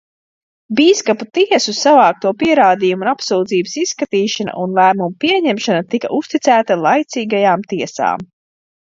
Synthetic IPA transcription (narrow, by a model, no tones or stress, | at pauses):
biːskaput̪iɛsussavaːk̚t̪uɔpiɛɾaːd̪ijumunapsuwd̪ziːbəsissːkat̪iːʃana̰ʔunlˠæːmumupiɛɲɛmʃanat̪ika̰ʔust̪it̪sæːt̪alˠajt̪siːɡajaːmt̪iɛsa̰ːm